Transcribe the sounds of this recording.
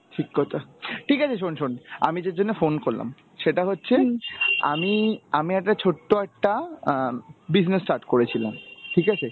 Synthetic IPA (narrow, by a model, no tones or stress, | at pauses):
ʈʰikːɔt̪ʰaʈʰikat͡ɕʰeʃ̬onʃona̰mid͡ʑed͡ʑonːefonkoɾla̰m | ʃeʈaɦotːɕʰea̰miamiɛk̚ʈat͡ɕʰoʈːoɛk̚ʈa | bid͡ʑnesʈaɾʈkoɾet͡ɕʰila̰mʈʰikat͡ɕʰe